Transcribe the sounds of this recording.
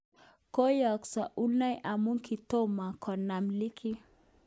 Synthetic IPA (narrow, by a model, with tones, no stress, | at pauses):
ko˦ja˨ksa˨ʔu˦lna˦jʔa˨mu˦ŋki˨t̪ɔ˦ma˨kʰɔ˨na˨mli˦kʰi˦